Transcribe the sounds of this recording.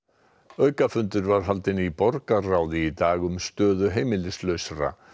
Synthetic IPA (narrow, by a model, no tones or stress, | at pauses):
œɥkafʏnt̪ʏɾvaɾ̥ɦalt̪ɪnipɔɾkarawðɪit̪aːɣʏmst̪œːðʏɦeːjmɪlɪslœɥsaɾa̰